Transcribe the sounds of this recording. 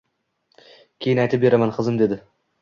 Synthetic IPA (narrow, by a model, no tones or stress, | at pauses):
kʲʰeɪnajt̪ɪp̚be̞ɾamanqʰɨzɪmd̪e̞d̪ɪ